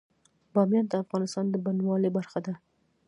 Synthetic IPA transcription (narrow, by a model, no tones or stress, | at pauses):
bɑmjɑnd̪əafɣɑnɪst̪ɑnd̪əbanwɑlebaɾxad̪a